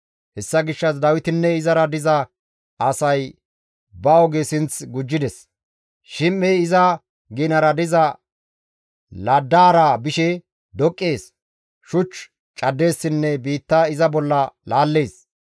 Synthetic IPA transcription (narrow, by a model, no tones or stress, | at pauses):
hɛsːɐɡɪʃːɐsd̪ɐwɪt̪ɪnːɛɪzɐɾɐd̪ɪzɐː | sɐj | bɐɔɡesɪnt͡sɡʊd͡ʒːɪd̪ɛs | ʃɪmːɛjɪzɐ | ɡɪnɐɾɐd̪ɪzɐ | lɐd̪ːaːɾabɪʃɛ | d̪ɔkʼːeːs | ʃʊt͡ʃː | t͡ʃʼɐd̪ːe̞ːsːɪnːɛbiːt̪ːaɪzɐbɔlːɐlaːlːe̞ːs